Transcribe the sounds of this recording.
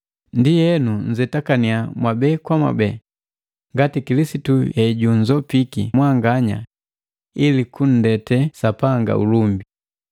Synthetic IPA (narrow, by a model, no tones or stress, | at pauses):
ndijɛnuɲd͡ʒɛtakaniamwabɛkwamwa̰bɛ | ŋɡatikilisitujɛiɟuɲd͡ʒɔpikḭmwaŋɡaɲa̰ | ilikun̩dɛtɛsapaŋɡa̰ṵlumbi